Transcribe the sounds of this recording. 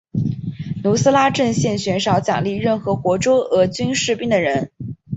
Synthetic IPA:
nu˧˥sɹ̩˥la˥ʈ͡ʂɤ˥˧ŋɕjɛ˥˩nɕɥɛ˧˥nʂɑ˧˥ʊt͡ɕjɑ̰˨˩ŋli˥˧ɻə˥˩nxɤ˧˥kwɔ˧˥ʈ͡ʂo˥ʊɤ˧˥t͡ɕy˥nʂɻ̩˥˧pi˥ŋd̪ə˩ɻə˧˥n

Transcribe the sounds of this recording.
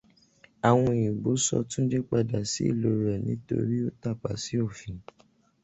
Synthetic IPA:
a˨w̃ɔ̃˧˨ĩ˨ɡ͡bo˨˦sɔ̰˧tũ˦d͡ʒe˦k͡pa˧da˨sḭ˦ḭ˦˨lo˨˦ɾɛ˨nĩ˦to̰˧ɾi˦o˦ta˦˨k͡pa̰˨si˨˦o˦˨fĩ˨

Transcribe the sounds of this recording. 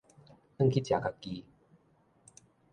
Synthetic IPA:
ʔə˥˧ŋkʰi˦˧t͡ɕja˨˩ka˧˩ki˧

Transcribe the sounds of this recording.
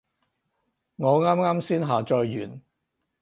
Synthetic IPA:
ŋɔː˨˧ŋaː˥mŋaː˥msiː˥nɦaː˨t͡ʃɔː˧jːyː˨˩n

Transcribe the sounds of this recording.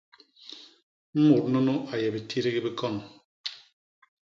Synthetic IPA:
m̩˦mu˨ɾ̚no˦no˦ʔa˨jɛ˨bi˨tʰi˦ɾe˦ɣi˦bi˦kɔ˦˨n

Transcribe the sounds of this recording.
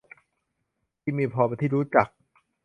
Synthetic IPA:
pʰiː˧˩miː˧pʰɔː˧pe˧t̪ʰiː˥˩ɾuː˦˥t͡ɕa˨˩k̚

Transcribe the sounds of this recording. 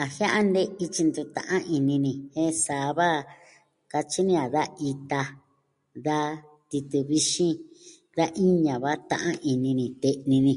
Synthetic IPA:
a˨hj̃ã˦ʔa˦nd̪e˦i˧t͡ʃi˧nd̪u˧t̪ã̰˨ʔã˦ʔi˧nĩ˧nĩ˧hẽ˦saː˨βa˦ | ka˧t͡ʃi˦nĩ˧a˨ða˦i˧t̪a˧ | ða˧ | t̪i˧t̪ɨ˧βi˧ʃĩ˦ | ða˦ʔi˦ɲã˨βa˦t̪ã̰˧ʔã˦ʔi˧nĩ˧nĩ˧˨t̪e˧ʔnĩ˧nĩ˧

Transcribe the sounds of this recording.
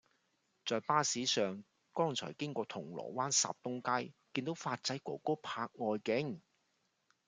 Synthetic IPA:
t͡sɔː˨˧jpaː˥siː˨˥sœː˨ŋ | kɔː˥ŋt͡sʰɔ̰ː˨˩jkɪ˥ŋkʷɔː˧t̪ʰʊ˨˩ŋlɔ̰ː˨˩waː˥nsa̰ː˨p̚t̪ʊ˥ŋkaː˥jkiː˧nt̪o˨˥wfaː˧t̚t͡sɐ˨˥jkʷɔː˨˩koː˥pʰaː˧k̚ŋɔː˧jkɪ˨˥ŋ

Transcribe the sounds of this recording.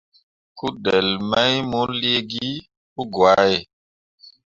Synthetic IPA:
ku˦de˨lma˦jmo˦li˦e˦ɡi˦ | ku˦ɡwa˨˦je˨

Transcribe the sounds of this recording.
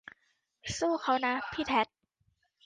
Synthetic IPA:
suː˥˩xa˧˥˩wna˧˥pʰiː˥˩t̪ʰɛ˦˥t̪̚

